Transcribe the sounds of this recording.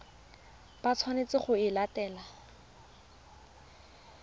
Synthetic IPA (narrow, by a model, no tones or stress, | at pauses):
b̥at͡sʰwanet͡sɪχʊɪlatɛːla